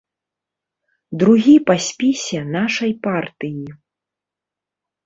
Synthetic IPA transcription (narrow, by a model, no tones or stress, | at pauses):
d̪ɾuɣʲipasʲpʲisʲɛnaʂɐjpart̪ɨji